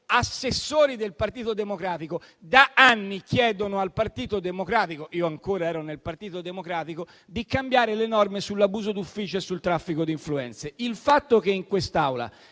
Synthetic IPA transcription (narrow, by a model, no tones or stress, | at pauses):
asːesːoːɾid̪elpart̪iːt̪od̪emokɾaːt̪iko | d̪aʔanːik̟jɛːd̪onoalpart̪iːt̪od̪emokɾaːt̪ikoʔiːoaŋkoːɾaɛːɾonelpart̪iːt̪od̪emokɾaːt̪iko | d̪ikambjaːɾelenɔrmesulːabuːzod̪ufːiːt͡ʃoesːult̪ɾafːikod̪iɱfluɛ̰nt̪seilfat̪ːok̟eiŋkwest̪awla̰